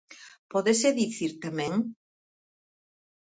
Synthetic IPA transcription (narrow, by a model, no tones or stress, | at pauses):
pɔðeseðiθiɾt̪amɛ̃ŋ